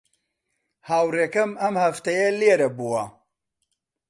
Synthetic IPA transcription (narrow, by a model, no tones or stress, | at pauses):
haːwreːkɐmɐmhɐft̪ɐjɐleːɾɐbuɐ